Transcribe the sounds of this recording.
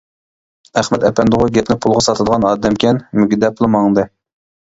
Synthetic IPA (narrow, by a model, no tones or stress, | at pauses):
æχmɛt̪ɛpɛnd̪ʊʁʊɡʲɛp̪nɪpʰulˠʁɑsɑt̪ʰɨd̪əʁɑnɑːd̪ɛmkʲʰɛnmyɡʲɪd̪ɛplˠɨmɑŋd̪ɨ